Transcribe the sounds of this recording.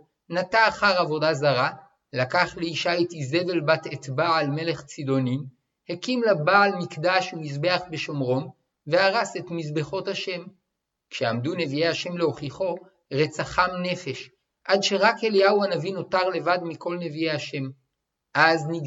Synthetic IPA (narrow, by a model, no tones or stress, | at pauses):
nataːχaʁavo̞dazaʁa | lakaχleiʃaitize̞ve̞lbatetbaalme̞le̞χt͡sido̞nin | hekimlabaːlmikdaʃumizbe̞aχbe̞ʃo̞mʁo̞m | ve̞aʁase̞tmizbeχo̞thaʃe̞m | kʃeamdune̞viejaʃe̞mleo̞χiχo̞ | ʁet͡saχamne̞fe̞ʃ | ʔadʃe̞ʁakeliauanavino̞taʁle̞vadmiko̞lne̞viejaʃe̞m | ʔazniɡ